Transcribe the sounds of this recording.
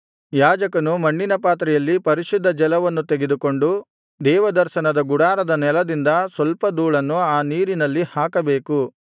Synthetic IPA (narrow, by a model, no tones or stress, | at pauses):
jaːd͡ʒɐkɐnumɐɳːinɐpaːt̪ɾɛjɐlːipɐɾiʃud̪ʱːɐd͡ʒɛlɐʋɐnːut̪eɡed̪uko̞ɳɖu | d̪ɛːʋɐd̪ɐɾʃɐnɐd̪ɐɡuɽaːɾɐd̪ɐnɛlɐd̪ind̪ɐsʋɐlpɐd̪uːɭɐnːuaːniːɾinɐlːihaːkɐbe̞ːku